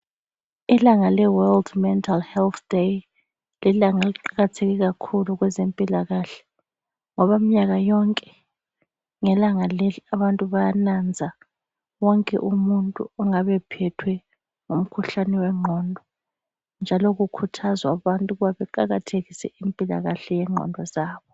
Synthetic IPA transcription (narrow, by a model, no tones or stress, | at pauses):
ilaŋalɛwɛldmɛntʰʼalhɛlt̪ʰd̥ej | lilaŋaliǃaɣatʰeɣiɣakʰuluɣwɛzempʼilaɣaːɬɛ̥ | ŋɔβamiɲaɣajɔŋkʼɛ̥ | ŋɛlaŋaleliaβantʼuβajanand͡zʱa | wɔŋkʼɛ̰ʔumuntʼuɔŋaβɛpʰɛtʰwɛ | ŋum̩kʰuɬanɛwɛŋ͡ǃʱɔndʱɔ | nd͡ʒʱalɔɣukʰutʰazwaβantʼuɣuβaβɛǃaɣatʰeɣisɛimpʼila̰ɣaɬɛjɛŋ͡ǃʱɔ̰ndʱɔzaːβɔ